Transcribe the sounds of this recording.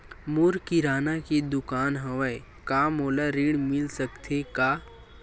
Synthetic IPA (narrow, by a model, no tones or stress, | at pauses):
muɾkiɾaːnakid̪ʊkaːnɦɐʋəe | kaːmoːlaɾiɽmɪlsəkt̪ʰeka